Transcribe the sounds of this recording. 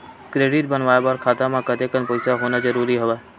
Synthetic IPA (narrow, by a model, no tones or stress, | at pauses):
kɾeːɖɪʈ̚bənʋaːjbaɾkʰaːt̪amãkəd̪ekənpəɪsaɦoːnazəɾuːɾiɦəʋə